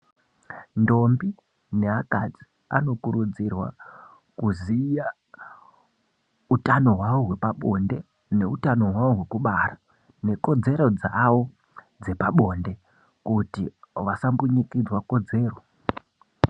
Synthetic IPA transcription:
ndo̞mbi | ne̞akad͡zi | a̰no̞kuɾud͡zirwa̰ | kuzija | utano̞ɦwaʋo̞ɦwe̞paɓo̞nde̞ | ne̞utano̞ɦwao̞ɦwe̞kuɓara | ne̞ko̞d͡ze̞ɾo̞d͡zaːwo | d͡ze̞paɓo̞nde̞ | kutḭʋasambuɲikid͡zwako̞d͡ze̞ːro

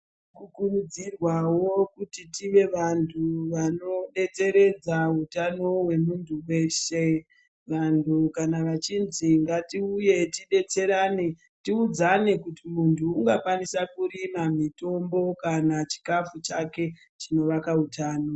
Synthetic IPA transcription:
kukunud͡zirwawo̞kutitiʋe̞ʋantʰuʋano̞ɗe̞t͡se̞ɾe̞d͡zautano̞ɦwe̞muntʰuwe̞ːʃe̞ | ʋantʰukanaʋat͡ʃinziŋɡatiuje̞tiɗe̞t͡se̞ɾaːne̞ | tiud͡zane̞kutimuntʰuːŋɡakwanisakuɾimamito̞mbo̞kanat͡ʃi̥kafut͡ʃake̞ | t͡ʃino̞ʋakautaːno

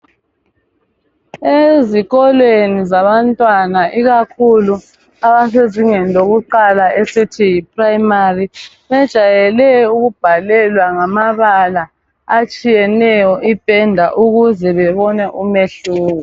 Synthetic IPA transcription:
eziɣɔlwenizaβantʼwanaʔiɣakʰulu | aβaseziŋɛnlʱoɣuǃalaʔesitʰijip̚ʰʼraimari | βɛd̥ʒ̥ʱajɛlɛuɣub̥ʱalɛlwaŋamaβala | at͡ʃʼijɛnɛjɔʔipʼɛndʱaʔuɣuzɛβɛβɔnɛʔumeɬuːɣɔ

